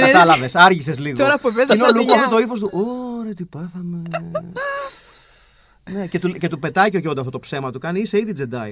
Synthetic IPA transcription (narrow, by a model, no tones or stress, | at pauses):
ɐɐlɐvesɐɾʝisezliɣt̪oɾɐpuevezineoluɣmɐft̪ot̪o̞ifo̞st̪uʔoɾet̪ipɐθɐme | ne̞ce̞t̪uce̞t̪upe̞t̪ɐiceoʝond̪ɐft̪ot̪opse̞mɐt̪ukɐniise̞iðid͡ze̞d̪ɐḭ